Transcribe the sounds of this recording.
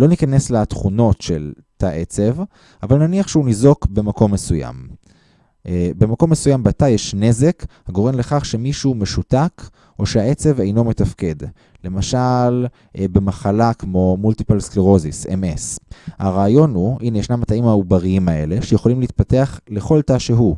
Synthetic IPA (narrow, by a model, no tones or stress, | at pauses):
lo̞nikane̞slat̪χuno̞tʃel | taʔet͡se̞v | avalnaniaχʃeunizo̞kbe̞mako̞mːe̞suja̰m | be̞mako̞mːe̞sujambat̪ajeʃne̞ze̞khaɡo̞ʁe̞mleχaχʃe̞miʃume̞ʃutak | o̞ʃeae̞t͡se̞vejno̞me̞tafke̞d | le̞maʃal | ʔbe̞maχalakmo̞mult̪ipalskleʁo̞zisḛme̞shaʁaːjo̞nuʔinejeʃnamat̪aimaubaʁiimae̞̰le̞ʃejeχo̞limleit̪̚pateaχle̞χo̞ltaʃeɦu